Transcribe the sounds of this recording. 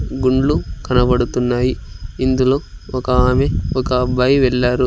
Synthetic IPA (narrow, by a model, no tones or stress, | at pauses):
ɡuɳɖlukɐnɐbɐɽut̪unːaːjiind̪ulo̞ːɔkɐaːmeɔkɐbaːjiʋɛɭːaːɾu